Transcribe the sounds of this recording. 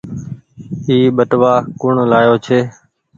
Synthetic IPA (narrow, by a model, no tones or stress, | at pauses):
iːɓəʈʋaːkʊɳlaːjoːt͡ʃʰeː